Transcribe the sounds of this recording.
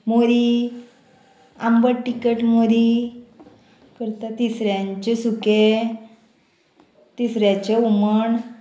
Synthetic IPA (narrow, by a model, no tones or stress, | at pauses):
moɾi | ambəɽʈikəʈmoɾi | kəɾt̪at̪isɾjaɲt͡ɕesuke | t̪isɾjat͡ɕeuməɳ